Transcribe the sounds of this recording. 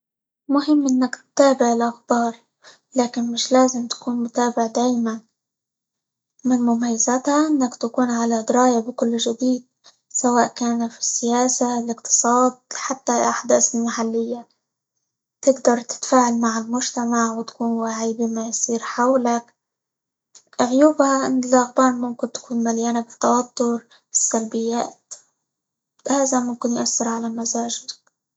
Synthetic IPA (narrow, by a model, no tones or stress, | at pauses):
lmʊɦɪmːʔɪnːaktt̪ːaːbɪʕɪlʔaxbɑːɾˤ | laːkɪnmɪʃlaːzɪmt̪ḁkuːnmʊt̪aːbɪʕd̪aːjman | mɪnmʊmajːazat̪haʔɪnːakt̪akuːnʕalad̪ɪɾɑːjabɪkʊlːʒɪd̪iːd̪̚ | sawaːʔkaːnafi̥sːɪjaːsalɪqt̪ʰɨ̥sˤɑːd̪̚ħat̪ːaʔaħd̪aːsɪlmaħalːɪjːa | t̪ɪɡd̪ɑɾˤt̪ɪ̥t̪faːʕalmaʕɪlmʊʒt̪amaʕwɪt̪kuːnwaʕiːbɪmajsˤiːɾħawlak | ʔʕʊjuːbhaʔɪnɪlʔaɣbaːnmʊmkɪnt̪ḁkuːnmaljaːnabɪt̪ːɑwat̪ːʊɾ | ɪsːalbɪjːaːt̪ | haːzamʊmkɪnjʊʔasːɪɾʕalamazaːʒɪd̪k